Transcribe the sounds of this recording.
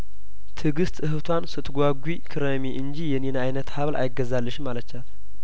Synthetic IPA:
t̪ʰɨɡɨst̪ɨɦɨt̪ʰwansɨt̪ʰɡʷaɡʷwikʰɨɾəmiʔɨnd͡ʒijɛnenajnət̪haβlʔa̰jɪɡːəzalːɨʃmːalət͡ʃːat̪

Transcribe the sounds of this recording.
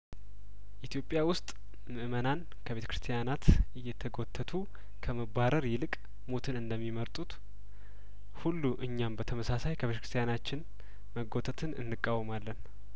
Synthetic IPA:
ʔit̪ʰjo̞pʼːjawʊst̪ʼ | mɨʔmənan | kʰəβe̞t̪əkɾɨ̥st̪ʰijanat̪ɨjːɛt̪ʰːəɡo̞t̪ʰːət̪ʰu | kʰəməbaɾəɾjɪlɨkʼ | mo̞t̪ʰɨnɨnd̪əmːiməɾt̪ʼut̪ | hulːuʔɨɲːambət̪ʰəməsasajkʰəβet̪əkɾst̪ʰijanat͡ʃːɪn | məɡo̞t̪ʰət̪ʰɨnɨ̰nːɨkʼːawːmalːən

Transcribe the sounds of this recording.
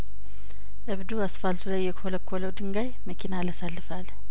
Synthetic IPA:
ʔɨβd̪uasfalt̪ʰulajːɛkholəkʰːoləwd̪ɨŋɡajməkʰinalasalːɨfal

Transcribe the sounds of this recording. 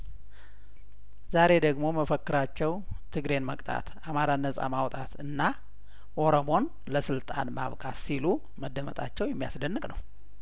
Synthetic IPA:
zaɾe̞d̪əɡmo̞məfəkːɨɾat͡ʃːɛwt̪ʰɨɡɾe̞nməkʼt̪ʼʰa̰t̪ | amaɾanːəsʼa̰mawt̪ʼat̪ɨnːa | ʔo̞ɾomo̞n | ləsɨlt̪ʼa̰nma̰βkʼasilu | məd̪ːəmə̰t̪ʼat͡ʃːɛwjɛmːija̰sd̪ənːɨkʼnəw

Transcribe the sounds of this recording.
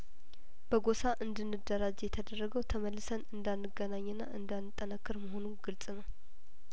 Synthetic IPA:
b̥əɡo̞saʔɨnd̪ɨnːɨd̪ːəɾad͡ʒɛjɛt̪ʰəd̪ərːəɡəwt̪ʰəməlːɨsənɨnd̪anːɨɡənaɲːɨnːa̰ʔɨnd̪anːɨt̪ʼːənəkʰːɨɾməɦo̞nuɡ̥ɨlt͡sʼɨnəw

